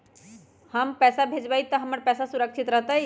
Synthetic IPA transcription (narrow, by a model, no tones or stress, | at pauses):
həmpɛːsabʱed͡ʒbəjt̪əɦəməɾpɛːsasuɾəkʃʰit̪ɾəɦt̪əj